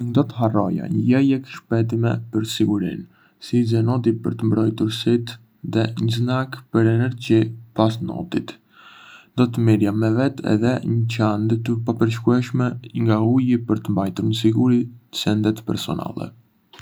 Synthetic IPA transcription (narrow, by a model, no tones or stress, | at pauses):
nd̪ɔt̪əɦarɔja̰ɲəjɛjɛkʃpɛt̪imɛpəɾsiɡuɾḭn | sizɛnɔt̪ipə̰ɾt̪əmbɾɔjt̪uɾsit̪ | ðɛɲəznakpəɾɛnɛɾd͡ʑipas̬nɔ̰t̪it̪ | d̪ɔt̪əmiɾjamɛvɛt̪ʰɛ̰ðɛɲət͡ɕand̪ət̪əpapəɾʃ̬kuɛʃmɛŋɡaujipəɾt̪əmbajt̪uɾnəs̬iɡuɾiəsɛnd̪ɛt̪pɛ̰ɾsɔ̰na̰lˠɛ̰